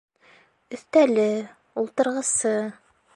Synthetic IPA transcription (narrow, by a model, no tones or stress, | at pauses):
ɵ̆θt̪ælɘ | ulˠt̪ɤ̆ɾʁɤ̆sɤ